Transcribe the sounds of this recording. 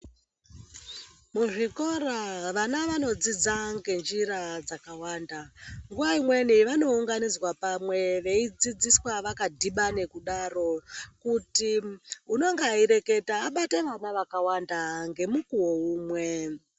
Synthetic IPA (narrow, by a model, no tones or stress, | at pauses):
muʐiko̞ɾaʋanaʋano̞d͡zid͡zaŋɡe̞nd͡ʒiɾad͡zakawaːndaŋɡuʋaimwe̞niʋano̞uŋɡanid͡zwapamwe̞ʋe̞id͡zid͡ziswaʋakadʱiɓane̞kuɗaro̞kutiuno̞ŋɡeaiɾe̞ke̞taːɓate̞ʋamaʋakawandaŋɡe̞mukuwo̞uːmwe̞